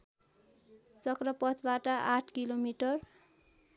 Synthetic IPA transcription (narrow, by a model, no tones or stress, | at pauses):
t͡sʌkrʌpʌt̪ʰbaʈʌʔaʈʰkilomiʈʌr